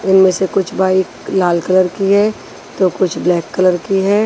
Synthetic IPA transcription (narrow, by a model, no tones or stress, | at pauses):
ɪnmẽsekʊt͡ʃʰbʱaːi | laːlkələɾkiɦɛː | t̪okʊt͡ʃʰblɛːkːələɾkiɦɛː